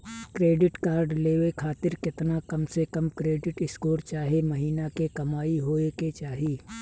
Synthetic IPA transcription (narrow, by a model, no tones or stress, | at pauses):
kɾeːɖɪʈkaːɾɖleːʋekʰaːt̪ɪɾkɪt̪nakɐmsekɐmkɾeːɖɪʈɪskoːɾt͡ʃaːɦemɐɦiːnakekɐmaːiɦoːeket͡ʃaːɦiː